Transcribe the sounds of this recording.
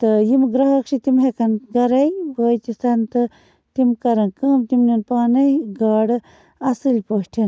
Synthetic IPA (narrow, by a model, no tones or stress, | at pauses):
t̪ɨjimɡɾɐɦɐkʂit̪imɦekɐnɡɐɾɐjboːjt̪ist̪ɐnt̪ɨ | t̪imkɐɾɐnkəːmt̪imnɐnpaːnɐjɡaːɽɨ | ɐsɨlʲpoʃʈʰɐn